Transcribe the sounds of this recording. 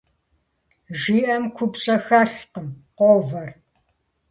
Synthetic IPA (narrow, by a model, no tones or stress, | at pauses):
ʒiːʔɐmkʷʰʊpɕʼɐxaːɬqəmqʷɔvɐr